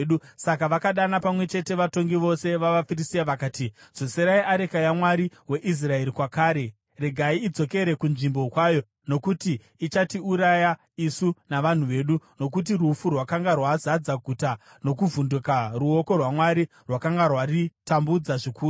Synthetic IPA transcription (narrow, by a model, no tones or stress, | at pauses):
ɗusakaʋakaɗanapamwe̞t͡ʃe̞te̞ʋato̞ŋɡiʋo̞se̞ʋaʋafirisijaʋakaːtid͡zo̞seɾaiaɾe̞kajamwaɾiwe̞ʔis̬rae̞ɾikwakaːɾe̞ | re̞ɡʱaiːd͡zo̞ke̞ɾe̞kunʐimbo̞kwajo̞ | no̞kutiː | t͡ʃatiuɾaja | isunaʋan̤uʋe̞ːɗuno̞k̬ut̬irufurwakaŋɡarwazad͡zaɡʱuta | no̞kuvundukaruo̞ko̞rwamwaɾi | rwakaŋɡarwaritambud͡zaʐikuːu